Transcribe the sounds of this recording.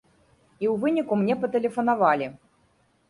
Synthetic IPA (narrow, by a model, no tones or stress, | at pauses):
iwvɨnʲikumnʲɛpɐt̪ɛlʲɛfɐnavalʲi